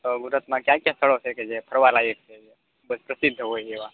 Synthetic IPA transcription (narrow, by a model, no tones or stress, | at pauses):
t̪oɡuɾət̪mãkjãkjãsʰəɭot͡ʃʰeked͡ʒepʰəɾʋalaekt͡ʃʰed͡ʒe | bəspɾəsid̪ʱːəɦojeʋã